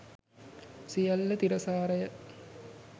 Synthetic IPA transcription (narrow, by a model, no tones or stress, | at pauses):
sijɐlːɐt̪iɾɐsaːɾɐjɐ